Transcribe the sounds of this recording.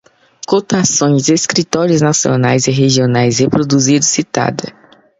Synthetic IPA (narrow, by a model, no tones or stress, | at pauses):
kot̪asõj̃zdeskɾit̪ɔɾiʊznasio̰najzɪɦeʒionajshepɾod̪uzid̪ʊssit̪a̰d̪ɐ